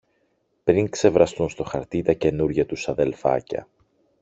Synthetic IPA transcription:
pɾiŋkse̞vɾɐst̪unst̪o̞xɐɾt̪it̪ɐce̞nuɾʝɐt̪usɐðe̞lfɐ̰cɐ̰

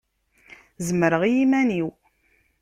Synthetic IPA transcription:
zəməɾəʁijimæniw

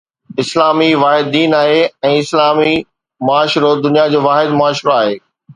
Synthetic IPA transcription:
ɪslaːmiʋaːɦɪd̪̚ːiːnaːɦeɛ̃ːɪslaːmi | mʊaːʃɾod̪ʊnijad͡ʑoːʋaːɦɪd̪mʊaːʃɾoaːɦeː

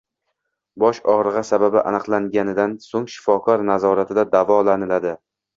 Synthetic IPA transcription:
bɒʃɒʁɾɨʁɑsababɪʔa̰nɨqlˠaŋɡʲanɪd̪ansoŋʃɪ̥fɒkʰɒɾnazɒɾat̪ʰɪd̪ad̪avɒlanɪlad̪ɪ

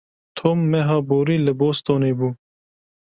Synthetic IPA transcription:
t̪ʰomːeɦaːboːɾiːlɐboːst̪oːneːbuː

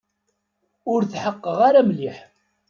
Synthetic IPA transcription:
ʊɾθħəqːəʁaɾæmliħ

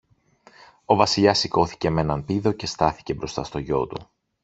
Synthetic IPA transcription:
o̞vɐsiʎɐsiko̞θi̥ceme̞nɐnpiðo̞ce̞st̪ɐθi̥ce̞bɾo̞st̪ɐst̪o̞ʝo̞̰t̪ṵ

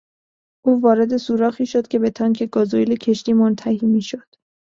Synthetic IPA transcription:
ʔuːvɒːɾe̞d̪e̞suːɾɒːxiːʃod̪̚cʲʰe̞be̞t̪ʰɒːŋkʰe̞ɡɒːzoelecʰe̞ʃt̪iːmont̪ʰæhiːmiːʃo̞d̪̥

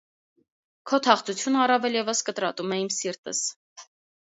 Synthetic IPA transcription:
kʰɔt̪ʰɑχt͡sʰut͡sʰjunɑrɑvɛljɛvəskət̪ɾɑt̪umɛimsiɾt̪ə̰s

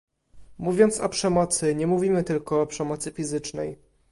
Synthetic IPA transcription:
muvʲjɔnt̪sɔpʂɛmɔt̪sɘɲɛmuvʲimɘt̪ɘlkɔːpʂɛmɔt̪sɘfʲizɘt͡ʂnɛ̰j

